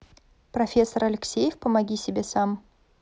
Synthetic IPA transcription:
pɾɐfʲe̞sːəɾɐlʲɪksʲejəfpəmɐɡʲisʲɪbʲe̞sam

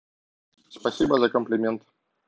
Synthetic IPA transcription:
spɐsʲibəzɐkəmplʲɪmʲent̪

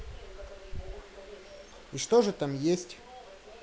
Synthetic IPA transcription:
iʂt̪oʐɨt̪amjesʲtʲ

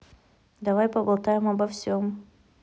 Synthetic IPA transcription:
d̪ɐvajpɐbɐlˠt̪ajɪmɐbɐfsʲom

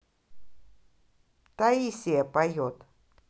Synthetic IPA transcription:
t̪aisiepajot̪

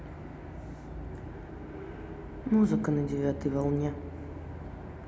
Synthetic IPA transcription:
muzɨkɐnɐd͡zʲɛvʲat̪ɨjvɐlˠnʲɛ

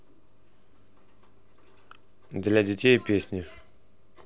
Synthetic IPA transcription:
d̪lʲadʲetʲejpʲesʲnʲi

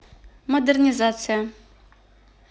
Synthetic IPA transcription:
mod̪ɛrnʲizat̪sɨja

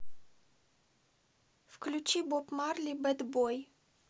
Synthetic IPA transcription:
fklʲut͡ʃibopmaɾlʲibɛd̪boj

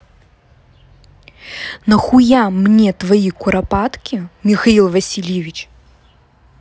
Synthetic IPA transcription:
nɐxujamnʲɛt̪vajikuɾapat̪kʲimʲixailˠvɐsʲilʲɛvʲit͡ʃ

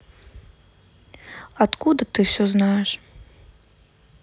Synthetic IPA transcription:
at̪kud̪ɐt̪ɨwsʲɔznajɛʂ

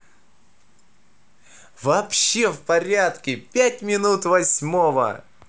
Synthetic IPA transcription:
vɐpɕːe̞fpɐɾʲat̪kʲɪpʲæt̚ʲmʲɪnut̪vɐsʲmovə̰

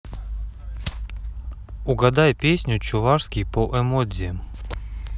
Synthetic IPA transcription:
ʊɡɐd̪ajpʲesʲnʲʊt͡ɕʊvaʂskʲɪjpoʔɛmozʲɪ

